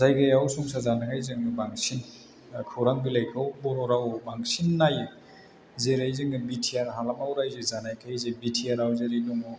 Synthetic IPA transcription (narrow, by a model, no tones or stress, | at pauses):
zajɡajawsuŋsazanakʰajzɯŋɯbaŋsin | kʰɯwɾaŋbilajkʰawbɔɾɔɾawbaŋsinːajɯ | zeɾajzɯŋɯbitʰiaɾɦalamawɾajzezanajkʰajzebitʰiaɾawzeɾiduŋɔ